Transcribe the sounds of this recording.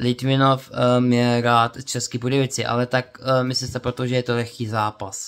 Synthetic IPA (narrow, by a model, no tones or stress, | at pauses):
lɪt̪mɪnofmjɛɾaːt̪t͡ʃɛskɪpodɛvɪt͡sɪʔa̰lɛt̪akmɪslɪmst̪ɛpɾot̪oʒɛjɛt̪olɛxkiːzaːpas